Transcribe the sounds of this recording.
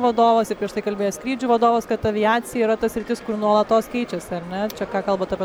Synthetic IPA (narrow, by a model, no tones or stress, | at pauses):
ʋɐd̪oːʋɐsɪpʲɾʲiɛʃt̪ɐɪkɐlʲbʲeːjɛskɾʲiːd͡ʒʲʊʋɐd̪oːʋɐskɐt̪ɐʋʲɪjaːt͡sʲɪjɛiːɾɐt̪ɐsʲɾʲɪt̪ʲɪskʊɾnuɔlˠɐtt̪oːskʲɛɪt͡ʃʲɛsʲɐɾʲnʲɛt͡ʃʲɛkɑːkɐlˠbɐːt̪ɐːpʲɛ